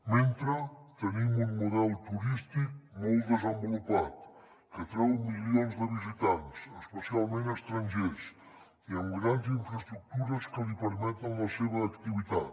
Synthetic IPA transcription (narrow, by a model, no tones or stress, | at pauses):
ment̪ɾət̪ənimuŋmuðɛlˠt̪uɾist̪ik̚molˠd̪əzəmbulupat̪ | kət̪ɾɛwmilionzðəβizit̪ansəspəsialˠmẽnəst̪ɾanʲʒes | iəŋɡɾanziɱfɾəst̪ɾuk̚t̪uɾəskəlipəɾmɛt̪əŋləseβəːkt̪iβit̪at̪